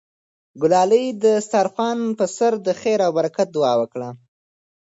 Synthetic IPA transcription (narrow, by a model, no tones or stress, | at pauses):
ɡʊlɑlijd̪əst̪ɑɾfɑnpəsaɾd̪əxeɾawbaɾakat̪̚d̪ʊwɑwəkɽa